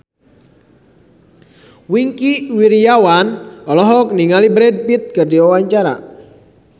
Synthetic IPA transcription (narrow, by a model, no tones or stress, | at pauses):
wiŋkiwiɾiawanɔlɔɦɔk̚niŋalibɾɛd̚pit̪̚kɨrdiɔwaɲt͡ʃaɾa̰